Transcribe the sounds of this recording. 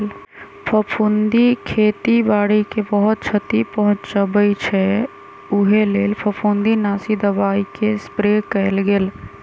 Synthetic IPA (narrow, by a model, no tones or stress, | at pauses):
l | pʰəpʰund̪ikʰet̪ibaːɽikebəɦʊt̪̚t͡ʃʰət̪ipəɦʊ̃t͡ʃt͡ʃəbəjt͡ʃʰɛ | ʊɦeleːlpʰəpʰund̪inaːsid̪əbaːikespɾekɛɪlɡeːl